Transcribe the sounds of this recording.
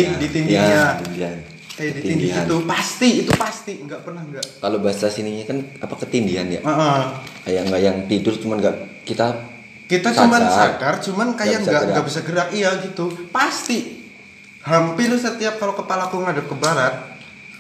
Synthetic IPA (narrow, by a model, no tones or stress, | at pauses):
dit̪indiaɲat̪indian | kajadit̪indiiat̪upast̪iːt̪upast̪iŋɡaʔpərnahŋɡakalobaɦasasiniɲakanapakət̪indiɦanja̰ʔəʔəkajaŋɡaʔjaŋt̪idʊrt͡ʃumanɡaʔkit̪a | kit̪at͡ʃsaumanasaɡart͡ʃumankajaŋɡaʔŋɡaʔbisaɡəɾakijaɡit̪upast̪i | hampɪlusət̪iap̚kalokəpalakuŋadap̚kəbaɾat̪̚